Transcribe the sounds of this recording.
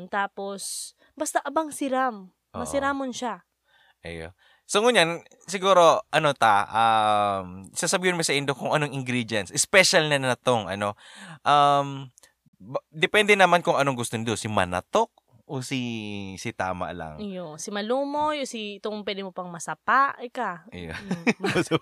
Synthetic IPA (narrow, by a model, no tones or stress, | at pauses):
t̪aːpo̞s | bɐst̪aʔɐbaŋsɪɾam | mɐsɪɾamonʃa | ʔɐ̰jo̰ | soŋʊɲan | sɪɡuːɾo̞ʔɐnot̪aʔamsasɐbiːhɪnmosɐʔɪnd̪okʊŋʔɐnoŋɪŋɡɾid̪jɐnsʔɛspɛʃɐlnɐnɐnɐt̪oŋʔɐ̰no̞ʔam | bd̪ɛpɛnd̪ɛnɐmankʊŋɐnoŋɡʊst̪ond̪osimɐ̰nɐ̰t̪ok̚ | ʔosisɪt̪a̰ːmɐ̰ʔlɐ̰ŋjosɪmɐlumojosiɪt̪oŋpwɛd̪ɪmopɐŋmɐsɐpaʔɪkajos